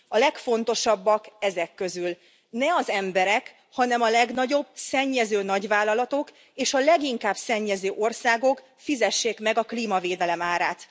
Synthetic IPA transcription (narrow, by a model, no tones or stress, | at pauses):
ɒlɛkfo̞nt̪o̞ʃɒbːɒkɛzɛkːø̞zyl | nɛɒzɛmbɛɾɛk | hɒnɛmɒlɛɡnɒɟo̞bsɛɲːɛzøːnɒɟvaːlːɒlɒt̪o̞k | eːʃɒlɛɡiŋkaːb̥sɛɲːɛzøːʔo̞rsaːɡo̞k | fizɛʃːeːkmɛɡɒkliːmɒveːd̪ɛlɛmaːɾaːt̪